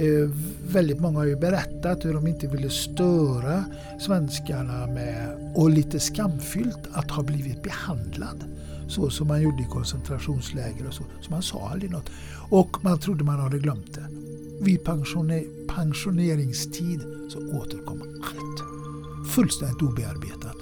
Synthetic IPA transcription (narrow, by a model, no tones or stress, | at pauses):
vɛld̪ɪt̪mɔŋːahaɑɾjʉbɛɾɛt̪ːat̪hʉɾɔmɪnt̪əvɪlːəst̪œːɾa | svɛnskaɳamɛ | ɔliːt̪əskamːfʏlt̪ʰat̪hɑːbliːvɪt̪̚bɛhand̪la̰d̪ | sɔsɔmːanjuɖəɪkʰɔnsɛnt̪ʰɾaʂuːnslɛːɡəɾɔsɔsɔmhansɑ̰ːa̰ld̪ɾɪnɔt̪ː | ɔkmant̪ʰɾʊd̪ːəmanhaɖ̪əɡlœmt̪̚d̪ɛ | vɪpʰaŋʂʊ | pʰaŋʂʊneːɾɪŋst̪ʰiːd̪ | sɔoːt̪əɾkʰɔmː | alt̪ | fɵlst̪ɛnd̪ɪt̪uːbɛa̰ɾbḛːt̪at̪